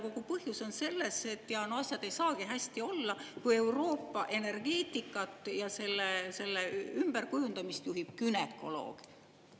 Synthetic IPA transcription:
ko̞ɡ̥upɤhjuso̞nse̞lːe̞se̞t̪ːˑjɑnoɑsʲjɑd̪̥e̞jsɑːɡ̥iɦæsʲt̪io̞lːɑkuje̞uwro̞ːpːɑʔe̞ne̞rɡ̥e̞ːt̪ikːˑɑt̪ˑjɑse̞lːese̞lːeymb̥erkujund̪ɑmist̪juɦib̥̚kynekˑo̞̰lo̞̰ːɡ̥

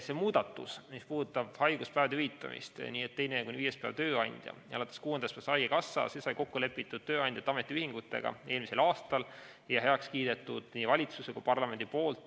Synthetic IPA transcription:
se̞muːd̪̥ɑt̪ːˑṵsmispuːd̪ut̪ːˑɑb̥hɑjɡ̥uspæːvɑd̪eyhit̪ːˑɑ̰mḭst̪nʲiːet̪ːe̞jnekuniviːje̞spæ̰vt̪ø̞ːɑnʲd̪̥ʲjɑ̰jɑɑlɑt̪ːˑeskuːend̪ɑspæsɑjɡekɑsːɑ̰se̞sɑjko̞kːule̞pːˑit̪ːˑud̪̥̚t̪ø̞ːɑnd̥̪ʲjɑt̪ːɑme̞t̪ːˑiyhiŋɡ̥ut̪ːˑe̞̰ɡ̥ɑ̰e̞ːlmise̞lɑːst̪ɑl | jɑɦeɑkskiːd̪e̞t̪ːˑud̪̥nʲiːvɑlʲit̪susekupɑrlɑme̞nd̪ipo̞ːlt̪ˑ

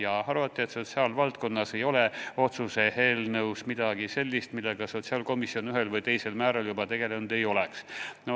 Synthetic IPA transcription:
jɑhɑɾvɑt̪ːˑie̞t̪so̞t̪siɑːlvɑlt̪̚ko̞nːɑse̞jo̞leo̞t̪suse̞he̞ːlnɤwsmid̪̥ɑɡ̥ise̞lʲːist̪milːe̞ɡ̥ɑso̞t̪siɑːlko̞misio̞nyɦe̞lvɤjt̪e̞jse̞lmæːɾɑljubɑt̪e̞ɡ̥e̞lenud̪̥e̞jo̞leksno

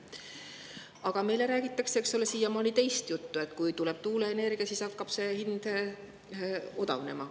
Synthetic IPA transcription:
ɑɡ̥ɑme̞jle̞ɾæːɡ̥it̪ːˑɑkseksolesiːjɑmɑːnit̪e̞jst̪jut̪ːue̞t̪kujt̪uleb̥̚t̪uːleːne̞rɡ̥ijɑsisɑkːɑb̥se̞hind̪̥ | o̞d̪ɑ̰vne̞mɑ

